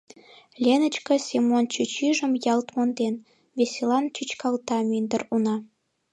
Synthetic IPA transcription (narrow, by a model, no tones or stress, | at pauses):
lʲenə̆t͡ɕkə̆sʲemont͡ɕut͡ɕiʒə̆mjɑlt̪mond̪en | βesʲelɑnt͡ɕyt͡ɕkɑlt̪ɑmynd̪ə̆runɑ